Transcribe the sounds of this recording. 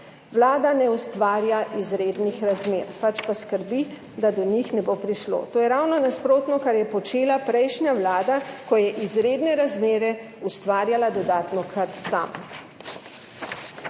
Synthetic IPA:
ʋlaːd̪anɛust̪ʋaːɾjaʔizɾeːd̪nixɾazmeːɾpat͡ʃpaskəɾbi | d̪ad̪ɔɲixnɛbopɾiʃlo̰ːt̪oːjɛɾawnɔnaspɾoːt̪nɔkaɾjɛpɔt͡ʃeːlapɾɛjʃnjaʋlaːd̪akɔjɛʔizɾeːd̪nɛɾazmeːɾɛ | ust̪ʋaːɾjalad̪ɔd̪aːt̪nɔkʰəɾt̪sa̰m

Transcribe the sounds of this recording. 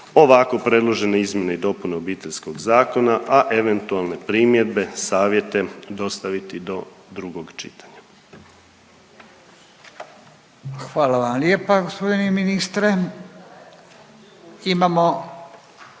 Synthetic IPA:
o̞ʋako̞pɾe̞d̪lˠo̞ʒe̞neizmjeneid̪o̞puneobiːt̪e̞ʎsko̞ɡzaːko̞naʔaʔeʋe̞nt̪ualˠne̞pɾiːmje̞d̪be̞saːʋje̞t̪e̞d̪o̞st̪aʋit̪id̪o̞ | d̪ɾuɡo̞ɡt͡ʃḭt̪ḁɲa | xʋaːlaʋamljepaɡospod̪ineminist̪ɾe | imamo

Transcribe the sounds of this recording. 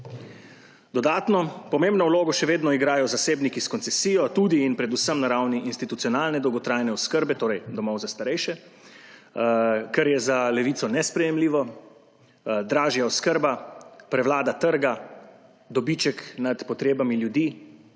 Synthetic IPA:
d̪ɔd̪aːt̪nɔpɔmẽːmbnɔwloːɡɔʃɛʋeːd̪nɔiɡɾaːjɔzaseːbnikiskɔnt̪sɛsiːjɔt̪ud̪iːnpɾɛd̪usəmnaɾawniʔinst̪it̪ut̪siɔnaːlnɛd̪ɔwɡɔt̪ɾaːjnɛɔskəɾbɛt̪oːɾɛjd̪ɔmɔwzast̪aɾɛjʃɛ | kɛɾjɛzalɛʋiːt̪sɔnɛspɾɛjɛmliːʋɔ | d̪ɾaːʒjaɔskəɾbapɾɛwlaːd̪at̪əɾɡa | d̪ɔbit͡ʃɛknad̪pɔt̪ɾeːbamiljud̪iː

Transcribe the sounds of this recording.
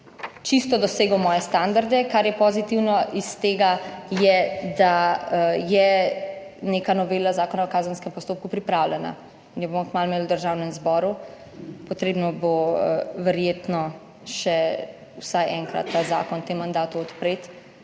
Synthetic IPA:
t͡ʃist̪ɔd̪ɔseːɡɔwmɔːjɛst̪and̪aɾd̪ɛkaɾjɛpɔzit̪iwnɔʔist̪eːɡajɛd̪a | jɛ | nekanɔʋeːlazaːkɔnawɔkaːzənskɛmpɔst̪oːp̚kupɾipɾawlɛna̰ | injɛbomɔkmalmeːlwd̪əɾʒawnɛmzbɔɾu | pɔt̪ɾeːbnɔboʋɛɾjeːt̪nɔ | ʃɛ | wsajʔɛŋkɾa̰t̪ːaza̰ːkɔnt̪emːand̪aːt̪uɔt̪pɾet̪

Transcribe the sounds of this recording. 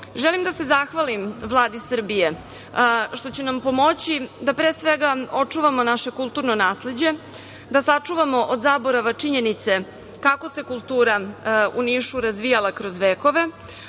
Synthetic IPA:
ʒelimd̪ase̞zaxʋalimʋlˠaːd̪isər̩bije | ʃt̪o̞t͡ɕenampo̞mo̞t͡ɕid̪apɾeːsʋeɡao̞t͡ʂuʋamo̞naʃe̞kulˠt̪uːɾno̞naːsle̞d͡ʑe̞ | d̪asat͡ʂuʋamo̞ʔod̪zaːboɾaʋat͡ʂiɲenit̪se | kako̞se̞kulˠt̪uːɾauniːʃuɾazʋijalˠakɾo̞zʋeːko̞ʋe

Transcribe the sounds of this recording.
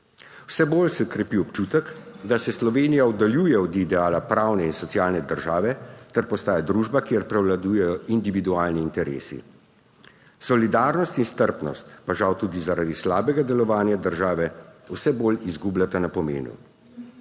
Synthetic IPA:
wsɛboːlsɛkɾɛpiɔpt͡ʃuːt̪ɛkd̪asɛslɔʋeːnijaɔd̪aljuːjɛɔd̪iːd̪ɛaːlapɾaːwnɛinsɔtsjaːlnɛd̪əɾʒaːʋɛt̪ɛɾpɔst̪aːjad̪ɾuːʒbakjeɾpɾɛwlad̪uːjɛjɔind̪iʋid̪uaːlniːnt̪ɛɾḛːsḭ | sɔlid̪aːɾnɔst̪inst̪əɾpnɔ̰st̪paʒawt̪uːd̪izaɾad̪islaːbɛɡad̪ɛlɔʋaːnjad̪əɾʒaːʋɛwsɛboːlizɡublʲat̪anapɔmḛːnṵ

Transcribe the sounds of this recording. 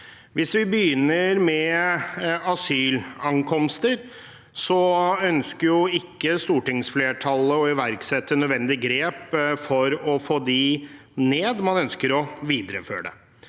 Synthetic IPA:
ʋɪsʋɪbəjʏnːəɾmɛ | ɑsyːlɑŋkʰɔmst̪əɾ | sɔœnskəɾjʊɪkːəst̪uːʈɪŋsfleːʈʰɑlːəɔɪʋæɾksɛt̪ːənœd̪ʋɛnd̪ɪɡɾeːpfɔɾɔfoːd̪ɪ | neːd̪mɑnœnskəɾɔʋiːd̪ɾəfø̰ːɖə̰

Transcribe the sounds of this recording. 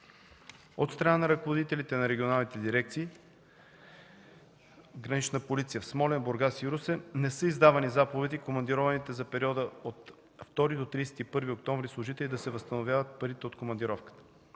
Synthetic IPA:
ot̪st̪ɾɐnanɐɾɐkovod̪it̪ɛlit̪ɛnɐɾɛɡionalˠnit̪ɛd̪iɾɛk̚t̪siː | ɡɾɐnit͡ʃnəpolit̪sijəfsmɔlɛnboɾɡasiɾusɛnɛsɤizd̪avɐnizapovɛd̪ikomɐnd̪iɾɔvɐnit̪ɛzɐpɛɾiɔd̪əot̪ | ft̪ɔɾid̪ot̪ɾijsɛ̥t̪ipɤɾviok̚t̪ɔɱvɾislˠoʒit̪ɛlid̪ɐsɛvəst̪ənovʲjavət̪̚pɐɾit̪ɛot̪komɐnd̪iɾɔfkə̥t̪ə̥

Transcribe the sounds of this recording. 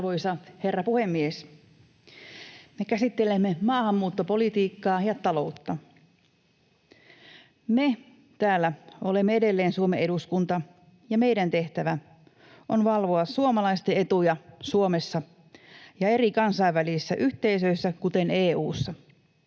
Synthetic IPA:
ʋojsɑhe̞rːɑpuhemːies | me̞kæsit̪ːelemːemɑːhɑmːuːt̪ːopo̞lit̪iːkːɑːjɑt̪ɑlout̪ːɑ | me̞ | t̪æːlːæolemːeede̞lːe̞ːnsuomeeɾuskunt̪ɑ | jɑme̞jdænt̪e̞ht̪æʋæ | ʔonʋɑlʋoɑssuomɑlɑist̪ee̞t̪ujɑsuomesːɑ | jɑe̞ɾikɑnsɑiʋːælisːæʔyht̪e̞isøisːækut̪eneːuːsːɑ

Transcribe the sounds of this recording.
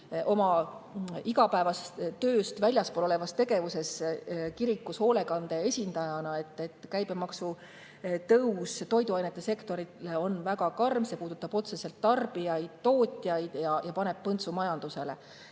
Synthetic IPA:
ʔo̞mɑ | iɡɑpæevɑst̪ø̞ːst̪vælʲjɑspolo̞le̞vɑst̪e̞ɡ̥e̞vuse̞skiɾikˑːusho̞ːle̞kɑnd̪̥e̞esʲind̪ɑjɑnɑe̞t̪ːe̞t̪ːˑkæjbemɑksu | t̪ɤwst̪o̞jd̪uɑjnet̪ːˑe̞se̞kt̪o̞ɾileo̞nvæɡɑkɑrmse̞puːd̪̥ut̪ːˑɑb̥o̞t̪se̞se̞lt̪ːɑrb̥ijɑjd̪̥̚t̪o̞ːt̪ʲːˑjɑjd̪̥jɑjɑpɑne̞b̥pɤnt̪sumɑjɑnd̪̥use̞le̞̰

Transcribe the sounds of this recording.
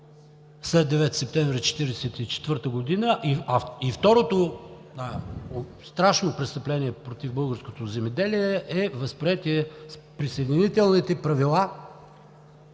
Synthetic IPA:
slɛd̪̚d̪ɛvɛt̪sɛp̚t̪ɛ̃ɱvɾʲit͡ʃɛ̥t̪iɾɛsɛt̪it͡ʃɛ̥t̪vəɾt̪əɡod̪inəʔiɐift̪ɔɾot̪oa | st̪ɾaʃnopɾɛst̪əplɛniɛpɾot̪ivbɤlˠɡəɾskot̪ozɛmɛd̪ɛliɛʔɛvəspɾiɛt̪ʲiɛspɾisəɛd̪init̪ɛlˠnit̪ɛpɾɐvilˠa

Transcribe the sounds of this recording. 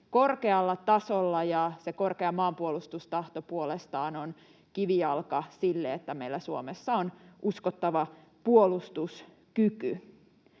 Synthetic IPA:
korkeɑlːɑt̪ɑsolːɑjɑsekorkeɑmɑːmpuolust̪ust̪ɑht̪opuolest̪ɑːnon | kiʋiɑlkɑsilːeet̪ːæmeilːæsuomesːɑonʔuskot̪ːɑʋɑ | puolust̪us | kyky

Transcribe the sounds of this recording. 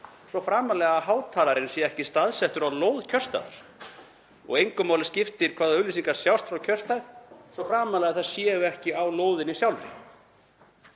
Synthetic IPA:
sɔfɾaːmalɛɣaɦaːwt̪ʰaːlaɾɪnsjɛɛhcɪst̪aðsɛht̪ʏɾawloːwðcʰœrst̪a̰ða̰ɾ̥ | ɔ̰ɣejŋkʏmaːwlɪscɪft̪ɪɾ̥kʰvaːðaʏlisiŋkaɾ̥sjawst̪fɾawcʰœ̥st̪aɾsɔfɾaːmalɛɣaθaðsjɛːɣʏɛhcɪawloːwðɪnːɪsjawlɾɪ̰

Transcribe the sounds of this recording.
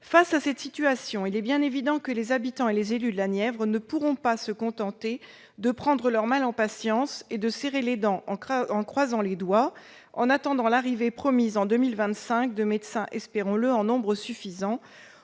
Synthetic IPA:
fasasɛt̪sit̪yasjɔ̃ilɛbjɛ̃nevid̪ɑ̃kəlezabit̪ɑ̃elezelyd̪əlanjɛvʁnəpuʁɔ̃pasəkɔ̃t̪ɑ̃t̪e | d̪əpχɑ̃d̪ʁəlœʁmalɑ̃pasjɑ̃sed̪əseʁeled̪ɑ̃ʔɑ̃ɑ̃kχwazɑ̃led̪wa | ɑ̰̃nat̪ɑ̃d̪ɑ̃laʁivepχɔmizɑ̃d̪əmilvɛ̃t̪sɛ̃k̚d̪əmɛd̪sɛ̃ʔɛspeʁɔ̃ləɑ̃nɔ̃bʁəsyfizɑ̃

